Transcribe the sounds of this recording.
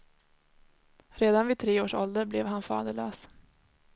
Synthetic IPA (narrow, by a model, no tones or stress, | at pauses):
ɾeːd̪anvɪt̪ʰɾeːoːʂɔ̰ld̪əɾblɛvɦanfɑ̰ːd̪əɭøːs